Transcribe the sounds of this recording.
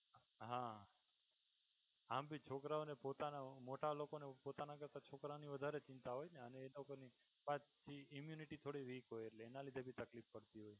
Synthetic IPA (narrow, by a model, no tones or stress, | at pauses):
ɦã | ambʱit͡ʃʰokɾaonepot̪anamoʈalokonepot̪anakəɾt̪at͡ʃʰokɾaoniʋəd̪ʱaɾet͡ʃɪ̃nt̪aɦojneəneːlokoni | pãt͡ʃt͡ʃʰiimjuniʈit̪ʰoɽiʋikɦojeʈleenalid̪ʱebʱit̪əklifkəɽt̪iɦoj